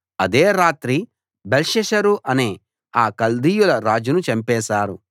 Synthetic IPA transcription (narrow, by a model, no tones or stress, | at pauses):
ɐd̪eːɾaːt̪ɾi | belʃɛʃɐɾuʔɐneː | aːkɐld̪iːjulɐɾaːd͡ʒunut͡ʃɐmpɛːʃaːɾu